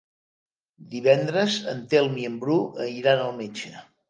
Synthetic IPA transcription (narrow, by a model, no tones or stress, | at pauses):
d̪iβɛnd̪ɾəzənt̪elˠmiəmbɾuʔəiɾanəlˠmet͡ʃə